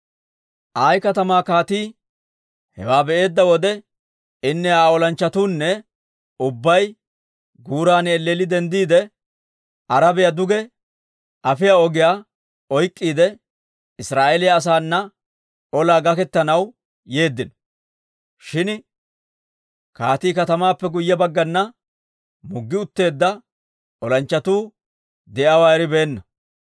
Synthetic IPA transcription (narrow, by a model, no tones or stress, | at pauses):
ʔajkɐt̪ɐmaːkaːt̪iː | hɛ̰waːbɛʔe̞ːd̪ːɐwɔd̪ɛ | ɪnːɛaːɔlɐnt͡ʃːɐt̪uːnːɛ | ʊbːɐj | ɡuːɾaːnɛlːeːlɪd̪ɛnd̪iːd̪ɛ | ɐɾɐbɪjɐd̪ʊɡɛ | ʔɐfɪjaɔɡɪjaː | ɔjkʼːiːd̪ɛ | ɪsɾaːʔelɪjaːs̬aːnːɐ | ɔlaːɡɐkɛt̪ːɐnɐw | je̞ːd̪ːɪnɔ | ʃɪn | kaːt̪iːkɐt̪ɐmaːpːɛɡʊjːɛbɐɡːɐnːɐ | mʊɡːɪʊt̪ːe̞ːd̪ːɐ | ɔlɐnt͡ʃːɐt̪uː | d̪ɛʔɐwaːɾɪbe̞ːnːɐ